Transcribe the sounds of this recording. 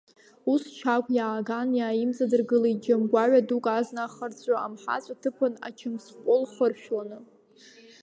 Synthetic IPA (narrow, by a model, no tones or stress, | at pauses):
ust͡ʃʰakʷʼjaːɡanjaːjimt͡sʼadɨrɡɨlaid͡ʒamɡʷaʕʷadukʼaznaχərt͡sʷʼaa̰mħa̰t͡sʷʼatʰɨpʰɨna̰t͡ʃʰɨmsqʷʼolχərʃᶣwanɨ